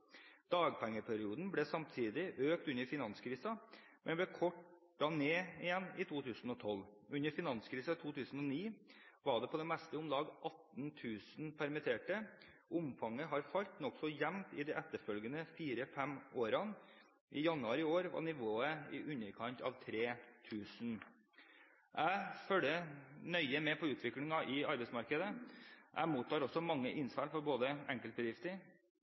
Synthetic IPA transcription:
d̪̥ɑːɡ̚pʰɛŋːəpʰæɾɪuːd̪n̩bɽɛːsɑmt̪ʰiːd̪ɪʔøːkt̪ʉɲəɾfɪnɑnskʰɾiːsɑmʔɛ̰nblɛːkʰɔʈː | ɑneːɪjɛnːɪt̪ʰuːt̪ʰʉːsn̩ɔt̪ʰɔlʉɲəɾfɪnɑnskʰɾiːsɑt̪ʰuːt̪ʰʉːsn̩ɔniːʋɑːɖɛpʰɔd̪ɛmɛst̪əʊmlɑːɡʔɑt̪nt̪ʰʉːsn̩pʰæɾmɪt̪ʰeːʈə | ʔʊmfɑŋːəɦɑɾfɑʎt̪nɔksɔjɛmt̪ɪd̪ɛʔɛt̪ːəɾfœlɡənəfiːɾəfɛmoːɾɑn | ʔɪ̰jɑnʉɑːɾɪoːɾʋɑ̰nɪʋoːəɪ̰ʔʉɲːəɾkʰɑnt̪ʰɑ̰ʋt̪ʰɾeːt̪ʰʉːsn | ʔæɪfœlənœʏəmɛpʰɔʉːt̪ʰʋɪklɪŋɑʔɪɑɾbɛɪsmɑɾkəd̪əʔæ̰muːt̪ːɑːɾɔsːɔmɑŋːəʔɪnsʋɑlfɔɾboːd̪əɛŋkəlt̪̚bəd̪ɪft̪əɾ

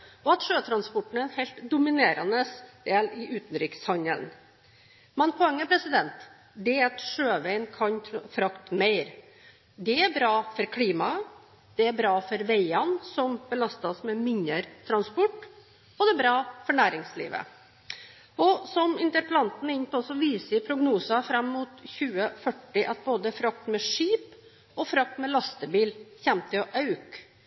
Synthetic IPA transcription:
ɔɑt̪ʂøːt̪ʰɾɑnspɔʈːn̩ɛnhɛlt̪d̪ʊmɪneːɾɑnəsd̪̥eːlɪʔʉːt̪ən̩ɾiːkə̥shɑnəl | mɛnpʰɔɛŋːəpʰɾɛsɪd̪ɛnt̪ | d̪ɛɑt̪ʂøːʋæɪnkʰɑnʰfɾɑkt̪meɪɾ | d̪ɛæɾbɾɑːfɔɾkʰliːmɑ | d̪̥ɛæɾbɾɑːfɔɾʋeɪɑnsɔmbəlɑst̪ɑsmɛmɪɲəɾt̪ʰɾɑnspɔʈː | bɔd̪ɛbɾɑːfɔɳæːɾɪŋslḭːʋə̰ | ɔsɔmɪnt̪əɾpəlɑnt̪n̩ɪnpɔsɔʋiːsəɪpʰɾʊɡnuːsɑfɾɑmːuːt̪çʉːəfœʈːɪʔɑt̪̚boːd̪əfɾɑk̚t̪mɛʂiːp | ɔfɾɑk̚t̪mɛlɑst̪əbiːlçɛmt̪ʰɪlɔʔɑʉk

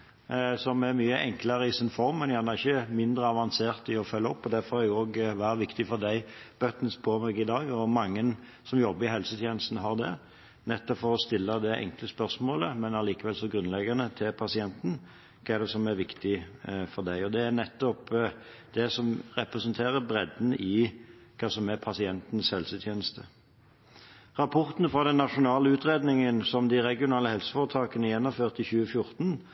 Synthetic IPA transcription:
sɔmæɾmyːəʔɛŋkləɾəɪsɪnfɔɾmːɛnjæhɑnəʁɪçːəmɪnd̪ɾəɑʋɑnseːɾt̪ɪɔfœlːəɔpːɔd̪æɾfɔhɑjʊoːɡʋæːɾəʋɪkt̪ɪfɔɾd̪æɪb̥œt̪nspʰoːmɛɡɪd̪ɑːɡɔmɑŋːən | sɔmjɔbːəɾɪɦɛlsət̪ʰjeːnəst̪n̩ɦɑɾd̪ɛ | nɛt̪ːɔpfɔɾɔst̪ɪlːəd̪ɛʔɛ̰ŋkləspœɾsmoːləmɛnɑliːkəʋɛlsɔɡɾʉnlɛɡɑnət̪ʰɪlpʰɑsɪɛnt̪n̩ | kʰɑːɛɖ̪ɛsɔmæɾʋɪkt̪ɪfɔʁd̪æɪɔd̪ɛːɾnɛt̪ːɔp | d̪̥ɛsɔmʁɛpɾɛsənt̪ʰeːʁəbɾɛd̪n̩ɪkʰɑːsɔmæpʰɑsɪɛnt̪n̩shɛlsət̪ʰjeːnəst̪ʰə | ʁɑpʰɔʁt̪nfɾɑd̪ɛnːɑʂʊnɑːləʉːt̪ʁeːd̪nɪŋənsɔmd̪ɪɾɛɡɪʊnɑːləhɛlsə̥fɔːʁət̪ʰɑːkənəjɛnːɔmføːʁt̪ɪçʉːəfjʊʁt̪n

